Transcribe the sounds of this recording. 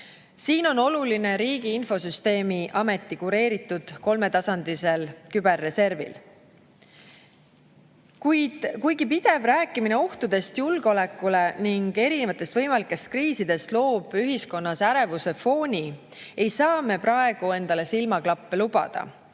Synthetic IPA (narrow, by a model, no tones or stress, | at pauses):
siːno̞no̞luline̞ɾiːɡiinfo̞syst̪e̞ːmiʔɑme̞t̪ːˑikuɾe̞ːɾit̪ːˑud̪̥ko̞lme̞t̪ɑsɑnd̪̥ise̞lkybe̞rːe̞se̞rvḭl | kujd̪̥kujɡipid̪̥e̞vræːkːˑimine̞o̞ht̪ud̪̥e̞st̪julɡeo̞le̞kːˑule̞niŋɡe̞ɾine̞vɑt̪ːˑe̞st̪vɤjmɑlikːˑe̞st̪̚kriːsid̪e̞st̪lo̞ːb̥yɦisko̞nːɑsæɾe̞vuse̞fo̞ːnʲi | e̞jsɑːme̞prɑe̞ɡ̥ue̞nd̪̥ɑle̞silmɑklɑpːelub̥ɑ̰d̪̥ɑ̰